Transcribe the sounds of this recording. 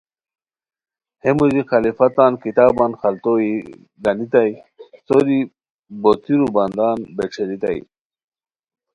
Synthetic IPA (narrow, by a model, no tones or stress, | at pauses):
hemuzixalifat̪ɑːnkit̪ɑːbɑnxalt̪oi | d̪ɐnit̪aj | sod̪i | bot̪iɾubɐnd̪ɑːnbeʈ͡ʂʰeɾit̪a̰j